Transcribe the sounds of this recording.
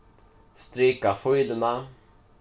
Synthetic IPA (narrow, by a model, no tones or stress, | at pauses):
st̪ɾikafɔjd̪əna